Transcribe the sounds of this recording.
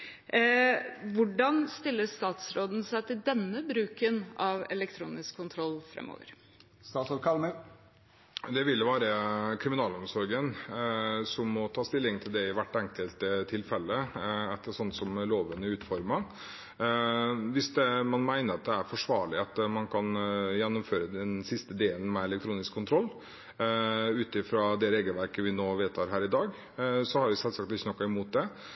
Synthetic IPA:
ʋʊɖɑnst̪ɪlːəst̪ɑːt̪sɾoːd̪n̩sæɪt̪ʰɪld̪ɛnːəbɾʉːkənɑʋɛ̰lɛkt̪ʰɾṵːnɪskʰːʊnt̪ʰɾɔlːfɾɛ̰mːo̰ːʋə̰ɾ | st̪ɑːt̪sɔkʰɑlmə | d̪ɛʋɪlːəʋæːɾəkʰɾɪmɪnɑːlɔmsɔɾɡən | sɔmːɔt̪ʰɑːst̪ɪlːɪŋt̪ʰɪld̪ɛɪʋæʈːɛŋkəlt̪ət̪ʰɪlfɛlːəɛt̪ːəsɔnəsɔmloːʋənəʉːt̪fɔɾmɑ | ʋɪsd̪ɛmɑnmæɪnəɾɑt̪̚d̪ɛæɾfɔʂʋɑːɭɪɑt̪mɑnkʰɑnjɛnːɔmføːɾəd̪ɛnsɪst̪əd̪eːlən̩mɛɛlək̚t̪ʰɾuːnɪskʰːʊnt̪ʰɾɔlː | ʉːt̪ɪfɾɑd̪ɛɾeːɡəlʋæɾkəʋɪnoːʋeːt̪əhɑːɾɦæːɾɪd̪ɑːɡ | sɔhɑɾʋɪsɛlsɑk̚t̪ɪçːənɔkːɑɪmuːt̪̚d̪ɛ

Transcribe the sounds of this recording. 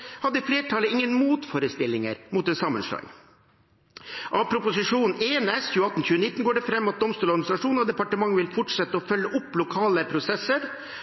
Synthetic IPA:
hɑd̪ːəfleːʈʰɑləɪŋːənmuːt̪fɔɾəst̪ɪlːɪŋə̰ɾmʊt̪d̪ɛnsɑmːə̰nʂɭɑ̰ɡ | ʔɑpʰɾʊpʊsɪʂuːnn̩eːnɛsçʉːəɑt̪ːnçʉːənɪt̪ːn̩ɡoːɖɛfɾɛmːɑt̪̚d̪ɔmst̪uːlɔɾɡmnɪsɾɑʂuːnɔd̪ɛpɑʈəmɑŋːʋɪlfʊʈʂɛt̪ːəɔfœlːəʔʊpːlʊkʰɑːləpʰɾʊsɛsːəɾ

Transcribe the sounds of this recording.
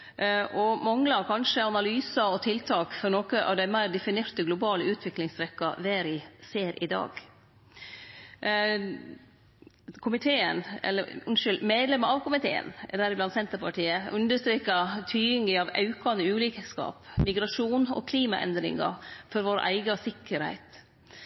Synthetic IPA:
ʔɔmɑŋlɑɾkʰɑnʂəɑnɑlyːsɑɔt̪ʰɪlt̪ʰɑːkfɔɾnoːkəʔɑ̰ʋd̪æɪmæɪɾd̪ɛfɪneːɾt̪əɡlʊbɑːləʉːt̪ʰʋɪklɪŋst̪ɾɛkːɑʋeːɾɪseːɾɪ̰d̪ɑ̰ːɡ | kʰʊmɪt̪ʰeːənɛ̰lːəɾʊnʃʏlmeːd̪lɛməɾɑʋkʊmɪt̪ʰḛːə̰nɛ̰d̪æɾɪblɑnt̪sɛnt̪əɾpʰɑʈiːəʉnd̪əst̪ɾeːkɑt̪ʰyːɪŋɡɪɑʋɑ̰ʉkɑnəʉːliːkəskɑ̰ːpmɪɡɾɑʂuːnɔ̰ːkʰliːmɑʔɛ̰nd̪ɾɪ̰ŋɑ̰fɔɾʋoːɾə̰ʔæɪɡɑsɪkːəɾhæ̰ɪt̪

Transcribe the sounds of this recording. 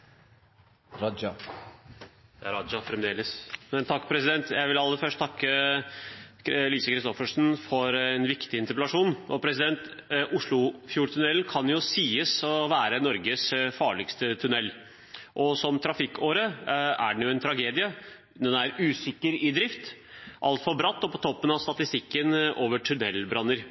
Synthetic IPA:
ɾɑd͡ʒɑ | æɾɑd͡ʒɑfɾɛmd̪eːləsmɛnt̪ʰɑkːpʰɾɛsɪd̪ɛnt̪jæɪʋɪlɑlːəfœʂʈt̪ʰɑkːə | liːsəkʰɾɪst̪ɔfəʂn̩fɔɾɛnʋɪkt̪ɪɪnt̪əɾplɑʂuːnʔɔpʰɾɛsɪd̪ɛnt̪ʔʊʂɭʊfjuːɾt̪ʰʉnɛlnkʰɑnjʊsiːəsɔʋæːɾənɔɾɡəsfɑːɭɪkst̪ət̪ʰʉnɛlː | ʔɔsɔmt̪ʰɾɑfɪkːoːɾəæ̰ɖɛɳ̩jʊɛnt̪ʰɾɑɡeːd̪ɪə | d̪ɛnæɾʉːsɪkːəɾɪd̪ɾɪft̪ | ʔɑ̰lt̪fɔɾbɾɑt̪ːɔpʰɔt̪ʰɔpːənɑʋst̪ɑt̪ɪst̪ɪkːənʔoːʋəʈʰʉnɛlːbɾɑnːəɾ

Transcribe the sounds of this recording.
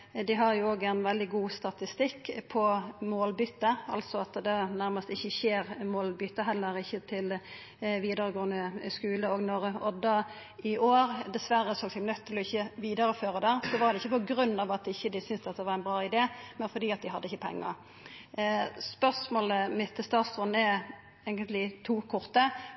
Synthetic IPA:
d̪ɪɦɑɾjʊoːɡæɪnʋɛld̪ɪɡuːst̪ɑt̪ɪst̪ɪkːpʰɔmoːlbʏt̪ːəɾɑ̰lt̪sɔɑt̪d̪ɛnæɾməst̪ɪçːəçeːɾmoːlbʏt̪ːəɦɛlːəɾɪçːət̪ʰɪl | ʋiːd̪əɾəɡoːənəskʉːləoːɡnɔɾɔd̪ɑː | ɪʔoːɾd̪ɛsʋæɾːəsɔɑsɛɡnœt̪ʰːɪlɔɪçːəʋiːd̪əɾɔføːʁəd̪æʁsɔʋɑʁd̪ɛɪçːəpɔɡɾʉnːɑʋɑt̪ɪçːəd̪ɪsʏnsd̪ɛt̪d̪ɛʋɑɾɛɪnbʁɑːɪd̪eːmɛnfɔd̪iːɑt̪d̪ɪhɑd̪ːəɪçːəpʰɛ̰ŋːɑ̰ɾ | spœʁsmoːləmɪt̪ʰːɪst̪ɑːt̪sʁɔnːɛ | eːɡənt̪lɪt̪ʰuːkʰɔʁt̪ə

